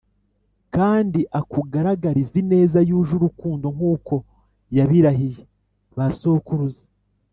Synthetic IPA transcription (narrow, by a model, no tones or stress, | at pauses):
kaːndiʔakuɡaɾaɡaɾizine̞ːzajuːʒuɾukuːndo̞ŋ̥uːko̞ | jaβiɾaɦije | βasokuɾuze̥